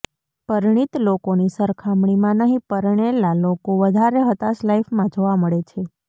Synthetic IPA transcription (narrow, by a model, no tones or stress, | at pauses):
pəɾɳ̃it̪lokonisəɾkʰamɳimãnəɦĩpəɾɳ̃elalokoʋəd̪ʱaɾeɦət̪aslaifmãd͡ʒoʋaməɭet͡ʃʰe